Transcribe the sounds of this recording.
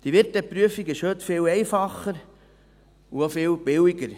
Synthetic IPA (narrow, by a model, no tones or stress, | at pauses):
d̥iʋɪɾtɛpɾyəfikɪʃhøtfɪlɛɪfɑχəɾ | uofɪːlb̥ɪwiɡəɾ